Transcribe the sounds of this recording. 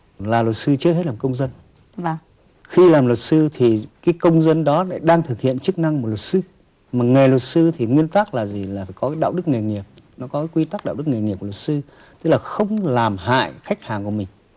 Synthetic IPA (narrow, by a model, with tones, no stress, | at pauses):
laː˨˩lə˨˩t̚sɨ˧t͡ɕɨ˦he˦˥t̚laː˨˩kə˧wŋ͡mzə˧nː˨˧ | xi˧laː˨˩mlə˨˩t̚sɨ˧t̪ʰi˨˩kaː˨˦jkə˧wŋ͡mzə˧nɗɔ˨˦la̰˧˦ɗaː˧ŋt̪ʰɨ˨˩k̚hḭ˧˨ənt͡ɕɨ˦˥k̚na˧ŋm˨˩t̚lə˨˩t̚sɨ˧ | maː˨˩ŋe˨˩lə˨˩t̚sɨ˧t̪ʰi˨˩ŋwi˧ənt̪aː˦˥k̚laː˨˩zi˨˩laː˨˩faː˧˩jkɔ˨˦kaː˨˦jɗa̰ː˧˨wɗɨ˦˥k̚ŋe˨˩ŋi˨˩əp̚nɔ˨˦kɔ˨˦kaː˨˦kwi˧t̪a˦˥k̚ɗa̰ː˧˨wɗk̚ŋe˨˩ŋi˨˩p̚kːt̚sɨ˧ | t̪ɨ˦˥k̚laː˨˩xə˧wŋ͡mlaː˨˩mɦa̰ː˧˨jxa˦˥jk̚haː˨˩ŋkəmï˨˩ŋ̟